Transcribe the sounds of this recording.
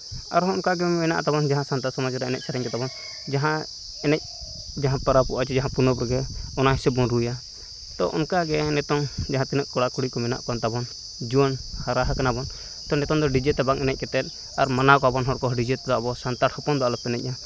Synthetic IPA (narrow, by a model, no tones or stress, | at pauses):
a̰ɾɦɔɔnkaɡɛmɛna̰ʔat̪abɔnd͡ʒaɦãsant̪asɔmɔd͡ʒɾɛɛnɛc̚saɾɛɲkɛt̪abɔn | d͡ʒaɦã | ɛnɛc̚ | d͡ʒaɦãpəɾapuʔat͡ʃɛd͡ʒaɦãpunɔpɾɛɡɛɔnaɦisɛbɔnɾuja | t̪ɔʔɔ̰nkaɡɛnɛt̪ɔŋd͡ʒaɦãt̪inəʔkɔɽakuɽikɔmɛna̰ʔkant̪abɔn | d͡ʒuənhaɾaɦakanabɔn | t̪ɔnɛt̪ɔŋd̪ɔɖid͡ʒɛt̪ɛbaŋɛnɛc̚kɛt̪ɛt̪̚ˀ | aɾmanakɔabɔnɦɔɾkɔɦɖid͡ʒɛt̪d̪aʔbɔsant̪aʈhɔpɔnd̪aʔlɔpɛnɛc̚a